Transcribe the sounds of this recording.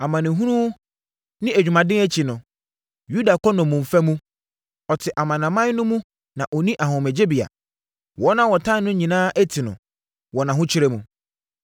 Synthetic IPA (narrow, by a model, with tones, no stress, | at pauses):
a˨mã˨nɪ̃˨ɦũ˦ɾũ˦ | nɪ̃˦æ˨d͡ʑᶣu˨mã˨dɪ̃˦æ˦t͡ɕʰi˨nʊ̃˨ | ju˦da˨kʰɔ˦nʊ̃˨mʊ̃˨m̩˨fæ˦mũ˦ | ɔ˨tʰɪ˨ʔa˨mã˨nã˨mã˦n˦nʊ̃˦mũ˦ | nã˨ʔɔ˨nĩ˦ʔa˨hʊ̃˨mɛ˨d͡ʑe˦bi˨a̰˨ | wɔ˦nã˦wɔ˨tʰã˦nʊ̃˦ɲĩ˨nãː˦ʔæ˦tʰɪ˨nʊ̰̃˨ | wɔ˨nã˨ɦʊ̃˦t͡ɕʰɪ˦ɾɛ˦mũ˨